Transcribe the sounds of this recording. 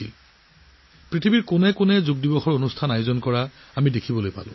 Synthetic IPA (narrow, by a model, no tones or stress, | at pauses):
il | pɹitʰibiɹkʊnɛkʊnɛzuɡ̚dibɔxɔɹonustʰanajozɔnkɔɹa | amidekʰibɔlojpa̰lʊ̰̃